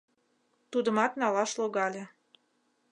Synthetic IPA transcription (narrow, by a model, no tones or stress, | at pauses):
t̪ud̪ə̆mɑt̪nɑlɑʃloɣɑlʲe